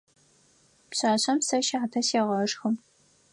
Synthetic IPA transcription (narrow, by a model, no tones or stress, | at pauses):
pɕaːɕɐmsɐʃaːtʰɐseːʁɐʂxɨm